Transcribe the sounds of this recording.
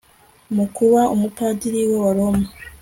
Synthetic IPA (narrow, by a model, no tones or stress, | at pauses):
mukuβaomupaːdiɾiwe̞waɾoma